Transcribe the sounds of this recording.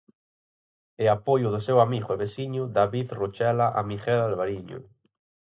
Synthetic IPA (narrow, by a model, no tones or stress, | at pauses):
eapojʊðʊsewamiɣʊeβesiɲʊðaβiðrot͡ʃɛlaʔa̰mixɛlalβaɾiɲʊ̰